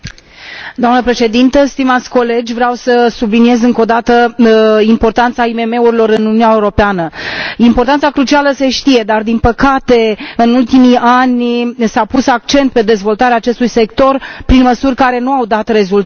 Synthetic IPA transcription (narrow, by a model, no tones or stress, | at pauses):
d̪oamnəpɾe̞ʃe̞d̪int̪əst̪imat̪sʲko̞le̞d͡ʒʲvɾeawsəsublinije̞zɨŋko̞d̪at̪əimpo̞rt̪ant̪saime̞me̞uɾilo̞ɾɨnununʲaeuɾo̞peanəimpo̞rt̪ant̪sakɾut͡ʃialəse̞ʃt̪ije̞d̪ard̪inpəkat̪e̞ɨnult̪imiʔanʲsapusak̚t͡ʃe̞nt̪̚pe̞d̪e̞zvo̞lt̪aɾeaːt͡ʃe̞st̪ujse̞kt̪o̞rpɾinməsurʲkaɾe̞nuawd̪at̪re̞zult̪